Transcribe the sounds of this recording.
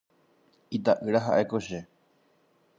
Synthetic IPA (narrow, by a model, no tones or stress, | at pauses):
it̪aʔɨɾaɦa̰ʔe̞koʃe